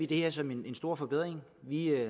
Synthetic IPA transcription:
id̥eheɐ̰sɒ̽me̝ne̝nsd̥o̝ɐ̰fɒ̽b̥e̝ð̞̰ˠʁeŋʋi

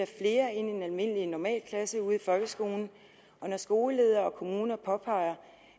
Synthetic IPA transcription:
æɐfle̝ːɐe̝nenælme̝n̰əlinɒmɛ̰ːlkʰlæsəuðˠfɒəsɡ̥o̝ːln̩ | ʔɒ̽nɒsɡ̥o̝ːləle̝ːð̞ˠɐɒ̽kʰo̝muːnɐpʰɒ̽pʰɑ̈ɪ̰ɐ

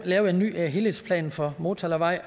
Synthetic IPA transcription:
lɛːʊəe̝nːy̰ːæɐɦe̝lhe̝ðˠspʰlɛ̰ːnn̩fɒ̽mo̝ːt͡sʰælɐʋɑ̈ɪ̰

